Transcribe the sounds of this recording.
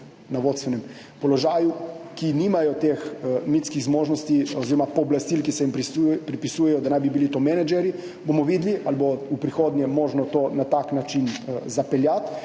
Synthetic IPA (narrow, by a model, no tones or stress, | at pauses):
naʋot̪st̪ʋɛnɛm | pɔlɔʒaːjukiniːmajɔt̪eːxmit̪skiɣzmoːʒnɔst̪ioziːɾɔmapɔːblast̪ilkisɛjimpɾipɾipisujɛjɔd̪anajbibilit̪omɛnad͡ʒɛɾji | bomɔʋiːd̪liʔalboupɾixoːd̪njɛmoːʒnɔt̪oːnat̪aknat͡ʃinzapɛljat̪